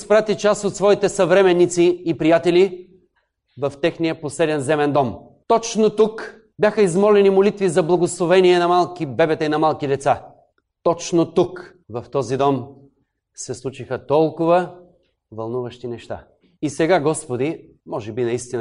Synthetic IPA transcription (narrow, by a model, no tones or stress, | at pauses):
spɾat̪it͡ʃast̪ot̪svɔit̪ɛsɐvɾɛmɛnːit̪siːpɾijat̪ɛli | vɐft̪ɛxnijəposɛd̪ɛnzɛmɛnd̪ɔm | t̪ɔt͡ʃnot̪uk | bʲjaxəizmɔlɛnimolit̪vizɐblˠɐɡoslˠovɛniɛnɐmalˠkibɛbɛt̪ɐinɐmalˠkid̪ɛt̪sa | t̪ɔt͡ʃnot̪uk | vɐft̪ɔzid̪ɔm | sɛslˠut͡ʃixət̪ɔlˠkʊvə | vɐlˠnuvəʃt̪inɛʃt̪a̰ | isɛɡaɡɔspod̪i | mɔʒɛbinɐist̪in